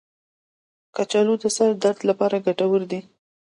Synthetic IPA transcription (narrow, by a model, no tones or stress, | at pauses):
kat͡ʃɑlud̪əsaɾd̪aɾd̪lapɑɾaɡaʈawəɾd̪i